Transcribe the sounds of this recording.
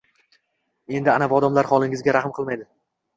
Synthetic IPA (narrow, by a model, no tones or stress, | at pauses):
e̞nd̪ɪanavɒd̪amlaɾχɒlˠɪŋɪzɡʲaɾahmqʰɨlˠmajd̪ɪ